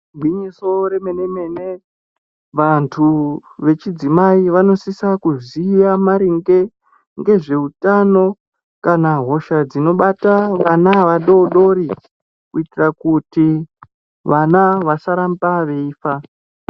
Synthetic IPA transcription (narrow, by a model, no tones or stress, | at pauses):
bʱwiɲiso̞ɾe̞me̞ne̞me̞ne̞ | ʋantʰuʋe̞t͡ʃid͡zimaiʋano̞sisakuzijamaɾiŋɡe | ŋɡe̞ʐe̞utano̞ | kanaɦo̞ʃad͡zino̞ɓataʋanaʋaɗo̞ɗo̞ɾi | kuitirakuti | ʋanaʋasaɾambaʋe̞iːfa